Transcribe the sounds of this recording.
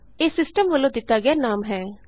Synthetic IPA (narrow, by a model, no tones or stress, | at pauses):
eːsɪsʈəmʋəlːõd̪ɪt̪ːaɡjanaːmɦɛː